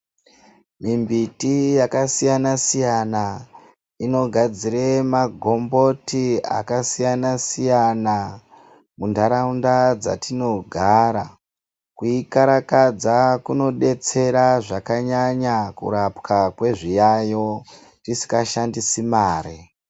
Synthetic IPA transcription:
mimbitijakasijanasijana | ino̞ɡʱad͡ziremaɡʱo̞mbo̞tia̰kasijanasijana | mundaɾaundad͡za̰tino̞ɡʱaɾa | kuikaɾakad͡zakuno̞ɗe̞t͡se̞ɾaʐakaɲaɲakṵɾapkʰakwe̞ʐijajo̞ | tisi̥kaʃandisimaːɾi

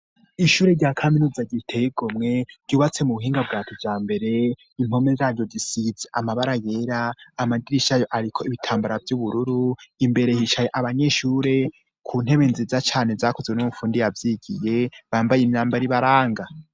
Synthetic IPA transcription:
iʃuːɾeɾɟaːkʰaminuːzaɟitʰejiɡomŋe̞ɾ̥ɟuːβat͡se̞muβuhiːŋɡabɡaːtʰovjaːmbe̞ɾe̞ | imo̞mezaːɾɟozisizeʔamaβaɾaje̞ɾaːmadiɾiʃajoʔaɾikʰo̞iβitʰaːmbaɾavjuβuɾuɾuimbe̞ɾe̞hiʃajeʔaβaɲe̞ʃuːɾe̞ | kʰuːn̥e̞βenzizat͡ʃaːne̞zaːkozwenumufuːndijavjiːɡije̞βaːmbajimɲaːmbaɾiβaɾaːŋɡa

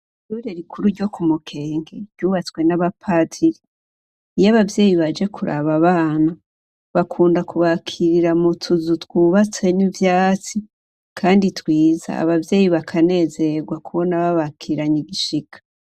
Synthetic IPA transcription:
tuɾeɾikʰuɾuɾɟo̞kumukʰe̞ːŋɡe̞ɾɟuːβat͡swe̞naβapʰatʰiɾi | ijaβavje̞ːjiβad͡ʒe̞kʰuɾʔa̰βaβaːna | βakʰuːndakuβakʰiɾiɾamutʰuzutwuːβat͡se̞ɲuvjaːt͡si | kʰaːnditwiːza̰ːβavje̞ːjiβakʰane̞ːze̞ɡwakuβo̞naβaβakʰiɾaɲiɡiʃikʰḁ

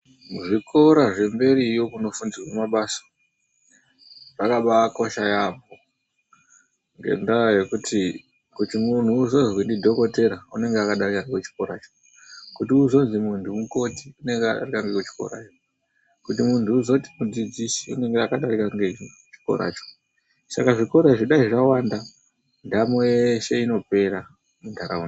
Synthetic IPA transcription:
uʐikʰo̞ɾaʐe̞mbe̞ɾijo̞kuno̞fund͡zirwamaɓasḁ | ʐakaɓaːko̞ʃajabo | ŋɡe̞̰ndaje̞kutʰi | kutimun̤uːzo̞zwindidʱo̞ko̞te̞ɾaune̞ŋɡeakaɗarikankwet͡ʃi̥ko̞ɾa̰ːt͡ʃo̥ | kutiuzo̞nzimuntʰumuko̞ti̥une̞ŋɡeaɗa̰rikaŋɡekut͡ʃi̥ko̰ɾa̰ːt͡ʃo | kutimuntʰuːzo̞ti̥mud͡zid͡zisi̥ṵne̞ŋɡeakaɗarikaŋɡe | t͡ʃi̥ko̞̰ɾa̰ːt͡ʃo̥ | sakaʐiko̞ɾeʐiɗaiʐawanda | ndamojeʃe̞ino̞pe̞ɾa | mundʰʱaɾaun

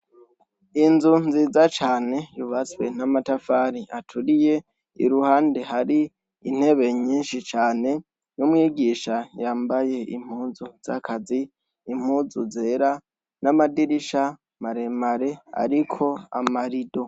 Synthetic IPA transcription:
inzunziːzat͡ʃaːne̞juβat͡swe̞namatafaːɾiʔatʰuɾije̞ | ḭɾuhaːnde̞haɾi | in̥he̞βe̞ɲiːnʃit͡ʃaːne̞ | numŋiːɡiʃajaːmbaje̞ḭm̥huːzuz̥akʰaziː | m̥huːzuze̞ɾa | namadiɾiʃa | maɾe̞maɾe̞a̰ɾikʰo̞a̰maɾido̞

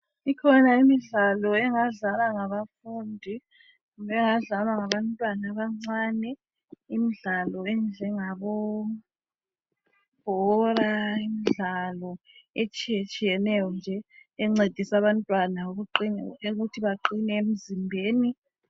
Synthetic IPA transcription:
ikʰɔnaimiɮalɔɛŋaɮalwaŋaβafundʱi | βɛŋaɮalwaŋaβantʼwanaβaŋ͡ǀanɛ | imiɮalɔɛnd͡ɮʱɛŋaβɔ | b̥ʱɔraimiɮalɔ | et͡ʃʼijet͡ʃʼijɛnɛjɔnd͡ʒʱɛːŋ͡ǀed̥ʱisaβantʼwanauɣuǃinɛeutʰiβaǃinɛem̩zimbʱeːni

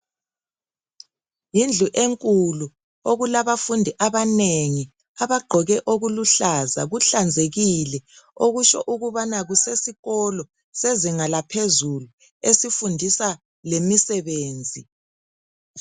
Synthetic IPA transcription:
jind͡ɮʱuʔeŋkʼulu | oɣulaβafundʱiʔaβaneŋi | aβaɡ͡ǃʱɔɣɛʔoɣuluɬazaɣuɬand͡zʱeɣilɛoɣut͡ʃɔ̰ʔuɣuβanaɣusesiɣɔlɔ | seziŋalapʰezulu | esifundʱisa | lemisɛβeːnd͡zʱi

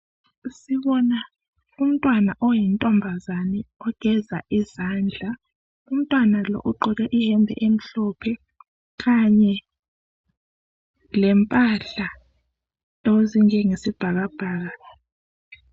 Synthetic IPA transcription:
siβɔna | um̩tʼwanaʔɔjɛntʼɔmbʱazanɛɔɡ̥ʱɛza̰ʔizand͡ɮʱa | um̩tʼwanalɔ̰ʔuǃʱɔɣɛʔihɛmbʱɛ̰ʔem̩ɬɔpʰɛ | kaɲɛ | lɛmpʼaɬa | oziŋɛŋesib̥ʱaɣab̥ʱaːɣa

